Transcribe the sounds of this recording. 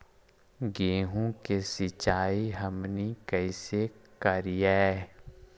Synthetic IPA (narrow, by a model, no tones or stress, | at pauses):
ɡeːɦõkesɪt͡ʃaːiɦəmnikɛɪsekɐɾijaɛ